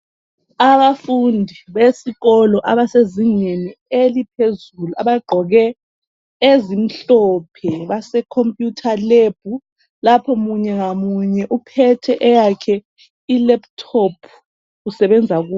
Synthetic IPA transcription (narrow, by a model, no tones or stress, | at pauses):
aβafundʱiβesiɣɔlɔʔaβaseziŋenielipʰezulua̰βaɡ͡ǃʱɔɣɛ | ezim̩ɬɔpʰɛβasɛkʰompʼjutʰaleb̥ʱu | lapʰɔmuɲɛŋamuɲɛʔupʰɛtʰɛʔɛjakʰɛ | ilɛp̚tʰɔpʰ | ɣusɛβɛnd͡zʱaɣuː